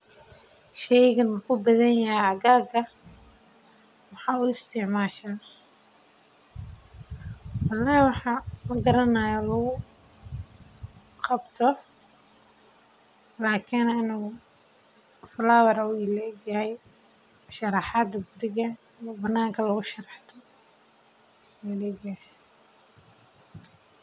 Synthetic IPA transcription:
ʃɛjɣɐnukʰʊbɐðɐnjɐhɛjɐɣaːɡɐ | wɑħɑːuːɪst̪ʰɪʕmaːʃaː | wɑlːaːhiwɑħɑmɐɡɐɾɐnɐjalɔɣʊ | qɑbt̪ʰɔ | laːkʰɪnɪnu | flaːwɐɾuɪlɛːɡɐhɛj | ʃɐɾɑħɑd̪ɐɡʊɾɪɣɐ | ijɔbɐnːaːŋkʰɐlɐɣʊʃɐrɑħt̪ʰɔ | ɔlɛːɡah

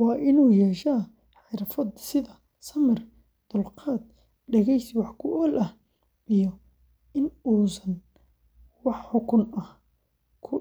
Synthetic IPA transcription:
wɑːʔɪnuːjɛːʃɐː | ħɪɾfɐd̪sɪðɐ | sɐmɪr | d̪̥ʊlqɑːd̪̚ | ɖɐɣɛjswɑħkʰʊʔɔːlʔɐh | ʔijɔ | ɪnuːsɐn | wɑħħʊkʰʊnɐh | kʰʊ

